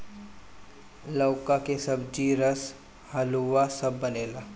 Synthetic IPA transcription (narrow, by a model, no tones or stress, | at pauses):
ləːkakesɐbd͡ʒiːɾəs | həluʋasɐbːɐneːlaː